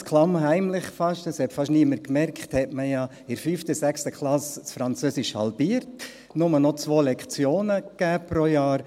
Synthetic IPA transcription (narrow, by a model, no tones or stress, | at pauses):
skʰlɑmɦæɪmlɪχfɑʃtəshɛtfɑʃniəməɾkmɛɾkχthɛtməjɑ | ɪɾfyːftəsækstəkχlɑssfɾɑnt͡søːsɪʃhɑ̰lbiːəɾt | nʊmənɔt͡sʋoːlɛkʰt͡sjoːnəkæːpɾojɑːɾ